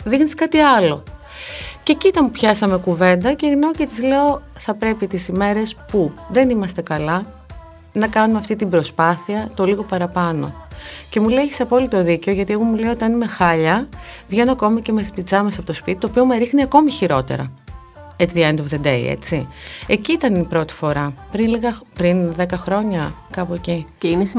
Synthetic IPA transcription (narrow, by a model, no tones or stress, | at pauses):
ðixniskɐt̪iɐlo̞ | cecit̪ɐmupçɐsɐme̞kuve̞nd̪ɐceɣnɐocet̪izle̞o̞ | θɐpɾe̞pit̪isime̞ɾe̞spuðe̞nimɐst̪e̞kɐlɐ | nɐkɐnumeɐft̪it̪ibɾo̞spɐθiɐt̪o̞liɣo̞pɐɾɐpɐno̞̰ce̞muleçiseɐpo̞lit̪o̞ðice̞o̞ʝɐt̪ie̞ɣomule̞io̞t̪iɐnime̞xɐʎɐvʝe̞no̞ɐko̞mɐce̞met̪ispit͡sɐmɐsɐpo̞t̪o̞spit̪i̥t̪opio̞meɾixniɐko̞miçiɾo̞t̪e̞̰ɾɐ̰ | et̪ɾiend̪ovðed̪eḭḛt͡sie̞ciit̪ɐnipɾo̞t̪i̥fo̞ɾɐpɾinliɣɐpɾinðe̞kɐxɾo̞ɲɐkɐpueciines